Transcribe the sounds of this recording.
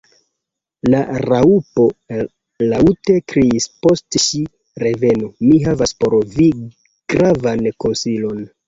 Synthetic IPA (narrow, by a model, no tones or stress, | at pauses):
laɾaupo̞ | laute̞kɾiispo̞stʃi | ɾe̞ve̞nomiɦavaspo̞ɾvi | ɡ̥ɾavanko̞nsilo̞n